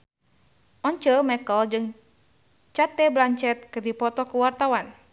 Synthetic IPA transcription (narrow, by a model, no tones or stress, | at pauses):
ɔɲt͡ʃəmɛkəld͡ʒɨŋ | t͡ʃat̪ɛblaɲt͡ʃɛt̪̚kɨrdipɔt̪ɔkuwart̪awan